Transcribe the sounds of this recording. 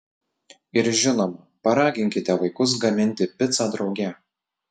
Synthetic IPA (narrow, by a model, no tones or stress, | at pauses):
ɪɾʒʲɪnomɐ | pɐɾɑːɡʲɪŋʲkʲɪt̪ʲɛʋɐɪkʊs̬ɡɐmʲɪnʲt̪ʲɪpʲɪt̪sɑːd̪ɾɒʊɡʲɛ